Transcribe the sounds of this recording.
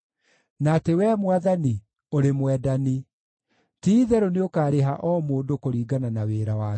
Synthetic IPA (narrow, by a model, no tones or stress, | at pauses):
natewɛːmwaðani | oɾemwɛːdani | tiːðɛɾoneokaːɾeɦaʔɔmoːndokoɾiːɡananaweːɾawa